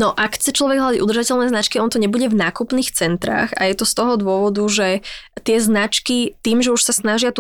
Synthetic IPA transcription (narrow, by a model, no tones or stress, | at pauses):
nɔʔakxt͡sɛt͡ʃlɔʋɛɡɦlad̪aɟʔud̪rʒacɛlnɛːznat͡ʃkiɔnt̪ɔɲɛbuɟɛvnaːkupniːxt͡sɛnt̪ɾa̰ːxa̰jɛt̪ɔst̪ɔɦɔd̪ʊɔʋɔd̪uʒɛt̪ɪɛznat͡ʃkit̪iːmʒɛuʃsasnaʒɪat̪u